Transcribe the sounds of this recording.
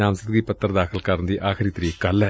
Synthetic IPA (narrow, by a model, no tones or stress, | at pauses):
aːmsɐd̪ɡipɐt̪ːɐɾɐd̪aːkɐlkaːɾnd̪iʔaːkɐɾit̪ːɾijekɐlːɐ